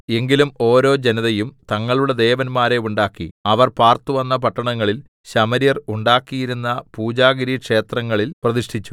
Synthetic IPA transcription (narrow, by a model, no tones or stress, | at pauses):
e̞ŋɡilumo̞ːɾo̞ːd͡ʑe̞nɐðɐjumt̪ɐŋːɐɭuɽe̞d̪e̞ːʋɐnmaːɾe̞uɳɖaːkːḭɐʋɐrpaːrt̪uʋɐnːɐpɐʈːɐɳɐŋːɐɭil | ɕɐmɐɾjɐruɳɖaːkːijiɾunːɐpuːd͡ʑaːɡɐɾikʂe̞ːt̪rɐŋːɐɭilprɐðiʂʈʰit͡ɕːu̥